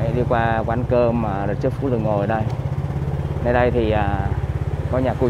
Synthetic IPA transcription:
ɗi˧kwaː˧kwaː˨˦nkəː˧maː˨˩ə˨˩t̚t͡ɕɨ˦˥k̚fṵ˧˦˥zɨ˨˩ŋːo˨˩jɗə˧j | nə˧jɗə˧jt̪ʰi˨˩ʔəː˨˩ | kɔ˨˦ɲaː˨˩ku˧˩

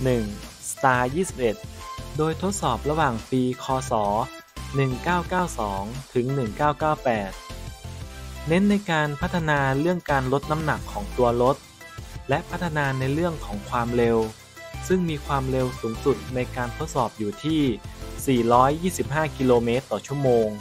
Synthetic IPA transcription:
nɯ˨˩ŋsat̪aː˧jiː˥˩si˨˩p̚ʔe˨˩t̪̚doː˧jt̪ʰo˦˥t̪̚sɔː˨˩p̚ɾa˧waː˨˩ŋpiː˧kʰɔː˧sɔː˩˦ | nɯ˨˩ŋkaː˥˩wkaː˥˩wsɔː˩˦ŋt̪ʰɯ˩˦ŋnɯ˨˩ŋkaː˥˩wkaː˥˩wpɛː˨˩t̪̚ | ne˦˥nːa˧jkaː˧npʰa˦˥t̪ʰːa˧naː˧ɾɯ˥˩əŋkaː˧nlo˦˥t̪̚na˦˥mna˨˩kʰːɔː˩˦ŋt̪u˧ɐɾo˦˥t̪̚ | lɛ˦˥ʔpʰa˦˥t̪ʰːa˧naː˧na˧jɾɯ˥˩əŋkʰɔː˩˦ŋkʰwaː˧mɾe˧w | sɯ˥˩ŋmiː˧kʰwaː˧mɾe˧wsuː˩˦ŋsu˨˩t̪̚na˧jkaː˧nt̪ʰo˦˥t̪̚sɔː˨˩p̚juː˨˩t̪ʰiː˥˩siː˨˩ɾɔː˦˥jːiː˥˩si˨˩p̚ɦaː˥˩ki˧loː˧meː˦˥t̪ːɔː˨˩t͡ɕʰu˥˩əmoː˧ŋ

